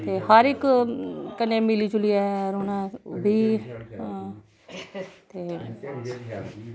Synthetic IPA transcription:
t̪eːhəɾɪk | kənːẽːmiliːt͡ʃʊliɛːɾoːnãːbʱiː | t̪eː

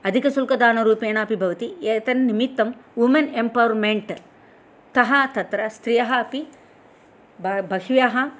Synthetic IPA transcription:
ɐd̪ʱikɐsulkɐd̪aːnɐɾuːpeːɳɐːpibʱɐʋɐt̪ieːt̪ɐnːimit̪ːɐmʋumɐnempɐʋɾmeɳʈ | t̪ɐɦɐt̪ɐt̪ɾɐst̪ɾijɐɦɐɐpi | bbʱɐɦʋjɐɦɐ

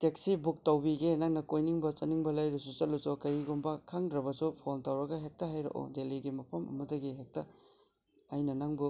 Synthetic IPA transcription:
tek̚sibuk̚tɐwbiɡenaŋnɐkojniŋbɐt͡ʃɐniŋbɐlɐjɾɐsut͡ʃɐlut͡ʃokɐɾiɡombɐkʰaŋdɾɐbɐsupʰontawɾɐɡɐɦek̚tɐɦajɾɐ̰ʔo̰deliɡimɐpʰɐmɐ̰mɐdɐɡiɦek̚tɐ | ajnɐnaŋbu

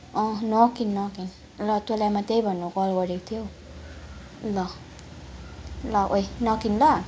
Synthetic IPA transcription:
ʌ̃nʌkinːʌkin | lʌt̪oljamat̪ejbʱʌnːukɔlɡʌɾeko̥t̪ʰijo | lʌ | lʌʔojnʌkinlʌ

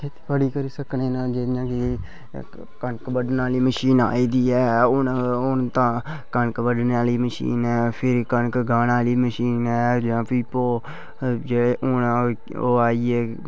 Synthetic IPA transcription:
kʰet̪ʰːpʰəɽiːkəɾiːsəkneːnãːd͡ʒeːd̪ijãːkɪ | kənkbəɖnaːliːməʃiːnaːiːd̪iːɛːʊnʊnt̪ãːkənkbəɖnaːliːməʃḭːnɛːpʰɪɾkənkɡaːnaːliːməʃiːnɛːd͡ʒãːpiːpoː | d͡ʒeːɽeːʔʊna | oːaːieː

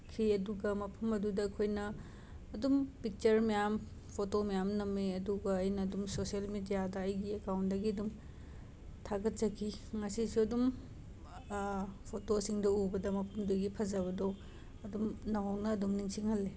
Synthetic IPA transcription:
kʰiɐduɡɐmɐpʰɐmɐdudɐːkʰojnɐː | dumpik̚t͡ʃɐɾmijam | pʰotomɐjamnɐmːeɐduɡɐːjnɐːdumsosielmidijadɐɐjɡiekawntdɐɡiɐdum | tʰaɡɐt̚t͡ʃɐkʰiŋɐsisiɐdum | pʰotosiŋdɐubɐdɐmɐpʰɐmduɡipʰɐzɐβɐdo | ɐdumnɐwawnɐːdumniŋsiŋhɐlːe

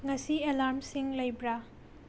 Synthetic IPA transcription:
ŋɐsielaɾmsiŋlɐjbɾa

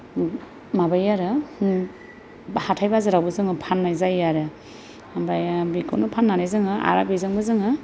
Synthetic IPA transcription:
mabajaɾɯ | hatʰajbazɯɾawbɯzɯŋɯpʰanːajzajaɾɯ | amɾajabikʰo̰wnɯpʰanːanajzɯŋɯʔa̰ɾabizɯŋbɯzɯŋɯ

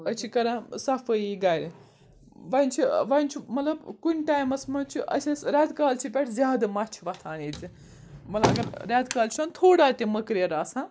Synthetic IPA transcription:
ɐt͡ʃʰikɐɾãːsɐfəiɡaːɾi | ʋɐnʲt͡ʃʰiʋɐnʲt͡ʃʰimɐt̪lɐbkunʲʈaːjmɐsmɐt͡ʃʰiʔɐ̰t͡ʃʰisɾʲaːt̪kaːlt͡ʃʰipʲɛʈʰzʲjaːd̪ɨmɐt͡ʃʰiʋɐt̪ʰaːniːt͡si | mɐt̪laɡɐɾɾʲaːd̪kaːlt͡ʃʰiant̪ʰoːɽaːt̪ʲimɐkɾjɐɾaːsãː

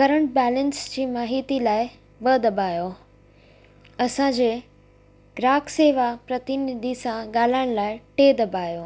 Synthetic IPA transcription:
kɐɾəɳʈ̚bɛːlənsd͡ʑiːmaːɦiːt̪ilaːɪ | bəd̪ɐbʱaːjo | ɐsãd͡ʑe | ɡɾaːkʰseːʋapɾɐt̪ɪnɪd̪ʱisãɡaːl̤aːɽ̃laːɪʈeːd̪ɐbʱaːjoː

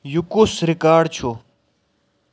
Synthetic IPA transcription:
jukusɾɪkaːɖt͡ɕʰo

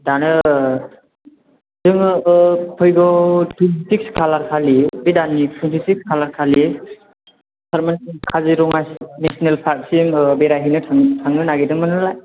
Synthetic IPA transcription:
danɯ | dɯŋ | pʰɔjɡɔtʰuntik̚skʰalaɾkʰalibidanːipʰuntʰisik̚skʰalaɾkʰali | saɾmankʰaziɾɔŋasnesnelpʰaɾk̚simbeɾaɦinɯtʰaŋtʰaŋnɯnaɡedɯŋmɯnɯlaj

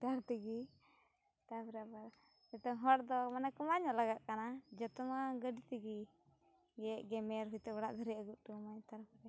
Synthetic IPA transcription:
t̪aɾt̪iɡi | t̪apɾabaɾ | ɛt̪ɔŋɦɔɽd̪ɔmanakɔmaɲɔlaɡaʔ̪̚kanad͡ʒɛt̪ɔmaɡəɖit̪iɡi | ɡɛʔɡɛmɛɾɦujt̪ɛbaɽaʔd̪ʱəɾɛaɡut̪̚ʈumaɲt̪aɾpɾɛ

